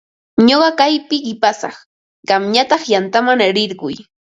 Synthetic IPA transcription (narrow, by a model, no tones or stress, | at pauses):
ɲoɢɑkajpɪɢɪpasɑ̰χ | ɢ̥ɑmɲat̪ɑχjant̪amaŋaɾɪɾɢʊj